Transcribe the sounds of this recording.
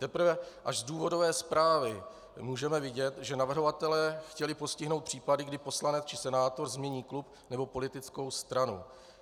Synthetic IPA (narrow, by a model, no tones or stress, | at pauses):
t̪ɛpɾ̩vɛʔaʒzduːvo̞do̞vɛːspɾaːvɪ | muːʒɛmɛvɪɟɛt̪ʒɛnavr̩ɦo̞vat̪ɛlɛːxcɛlɪpo̞scɪɦno̞wt̪pr̝̥iːpadɪɡdɪpo̞slanɛt͡st͡ʃɪ̥sɛnaːt̪o̞ɾzmɲɛɲiːklup | nɛbo̞po̞lɪt̪ɪt͡sko̞wst̪ɾanṵ